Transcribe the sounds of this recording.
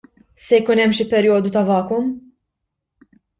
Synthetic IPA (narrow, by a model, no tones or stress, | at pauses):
sɛjkuːnɛmːʃipɛɾjɔːd̪ut̪ɐvɐːkʊm